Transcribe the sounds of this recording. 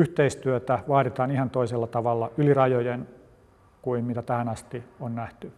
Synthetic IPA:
yht̪eist̪yøt̪æʋɑːɾit̪ɑːnihɑnt̪oiselːɑt̪ɑʋɑlːɑylirɑjojen | kuimmit̪æt̪æhænɑst̪ionnæht̪y

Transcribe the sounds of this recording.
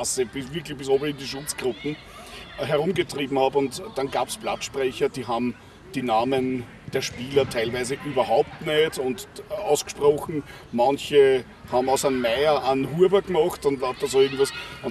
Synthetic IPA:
asibɪsvɪɐklɪçb̥ɪsoːbəɪ̃ndiʃʊt͡sɡ̥ʁʊpn̩ | ɦɛɐʁʊmɡətʁiːbm̩haːpʊntd̥ɑnɡaːpsb̥latʃpʁɛçɐd̥iːɦaːbm | d̥iːnaːmən | d̥eːɐʃpiːlɐtʰæɪlvæɪzəʔyːbɐɦaʊp̚tneːdʊntɑʊsɡ̥ʃpʁɔxn̩ | mɑnçə | haːbm̩ɑʊsanmæɪɐʔanɦuɐbɐɡmɑχtʊntlap̚d̥ɑsoɪɐɡŋ̩tvɑsʊn

